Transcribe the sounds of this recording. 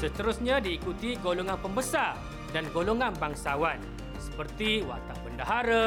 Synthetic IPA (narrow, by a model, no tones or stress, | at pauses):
sət̪əɾusɲãdiːkut̪iɡoloŋanpəmbəsa | danɡoloŋãnbaŋsawan | sə̥pərt̪iwa̰t̪apəndaɦaɾa